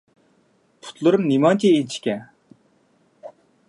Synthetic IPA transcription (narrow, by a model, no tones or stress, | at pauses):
pʰu̥t̪lˠɨɾɨmnimɑnt̪ʰient͡ʃʰi̥kʲɛ